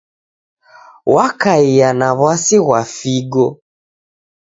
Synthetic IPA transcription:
wakaijanaβwasiɣwafiɡɔ

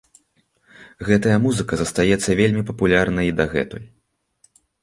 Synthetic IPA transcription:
ɣɛt̪ɐjɐmuzɨkɐzɐst̪ajɛt̪sːɐvʲelʲmʲipɐpulʲarnɐid̪ɐɣɛ̰t̪uj

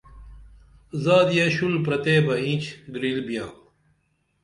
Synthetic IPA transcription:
zaːd̪ijɐɕulpɾɐt̪eːbɐĩt͡ɕɡɾilbijãː

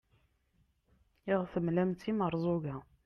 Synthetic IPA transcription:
iʁθəmlæmt̪iməɾˤzˤuɣæ

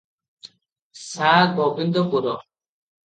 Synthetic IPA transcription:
sabɔbind̪ɔpuɾɔ

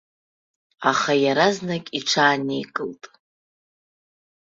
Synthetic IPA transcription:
aχajaɾaznakʲʼiʈ͡ʂʷʰaːnejkʼɨltʼ

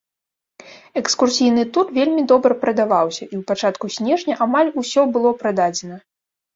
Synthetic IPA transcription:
ɛkskursʲijnɨt̪urvʲelʲmʲid̪ɔbɾɐpɾɐd̪avawsʲɐʔiwpat͡ʂat̪kusʲnʲɛʐnʲɐʔamalʲusʲɔbɨlˠɔpɾad̪ad͡zʲɛnɐ

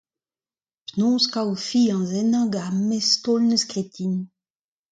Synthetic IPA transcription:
pnõːskawfiɑ̃zɛnɑ̃ɡamɛstɔlnəskʁet̪ʰin

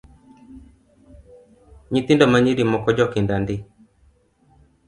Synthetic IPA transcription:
ɲit̪indɔmaɲiɾimɔkɔd͡ʒɔkɪndandɪ

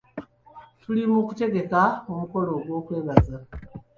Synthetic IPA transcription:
tulimukute̞ɡe̞kaomuko̞lo̞ɡwo̞ːkwe̞ːβaza

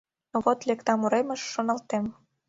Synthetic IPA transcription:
noβot̪lekt̪ɑmuɾemə̆ʃːŏnɤ̆lt̪em

